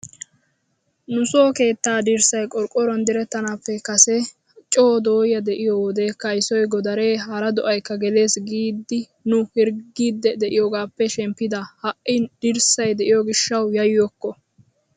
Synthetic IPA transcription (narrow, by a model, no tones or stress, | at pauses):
nʊsoːke̞ːt̪ːaːd̪iɾsɐjkʼɔɾkʼːɔɾɔnd̪ɪɾɛt̪ːɐnaːpːɛkɐsɛ | t͡ʃʼoːd̪oːjɐd̪ɛʔɪjɔwɔd̪e̞ːkːɐɪsɔjɡɔd̪ɐɾe̞ːɦɐɾɐd̪ɔʔɐjkːɐɡɛle̞ːsɡiːd̪ːɪ | nʊhɪɾɡiːd̪ːɛd̪ɛʔɪjɔɡaːpːɛʃɛmpːɪd̪ɐhɐʔɪd̪̥ɪɾsɐjd̪ɛʔɪjɔɡɪʃːɐwjɐjjɔkːɔ